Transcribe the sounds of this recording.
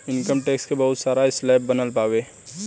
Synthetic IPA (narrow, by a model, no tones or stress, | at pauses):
ɪnkəmʈeːkskebɐɦʊt̪saːɾaɪslɛːp̚bɐnəlpaːʋeː